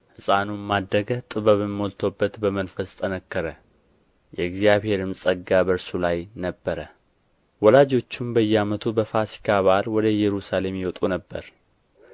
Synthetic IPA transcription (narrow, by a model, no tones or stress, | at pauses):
hɨsʼanumad̪ɾəɡət̪ʼɨβəβɨmːolt̪ʰobːət̪bəmənfəst̪ʰʼənəkːəɾə | jɛɡzijaβhe̞ɾɨmsʼəɡːabəɾsulajnəbːəɾə | wɔlad͡ʒo̞t͡ʃːumbəjːɛamət̪ʰubəfasi̥kʰaβalwɔd̪əjɛɾusale̞mjɛwɔt̪ʼunəbːəɾ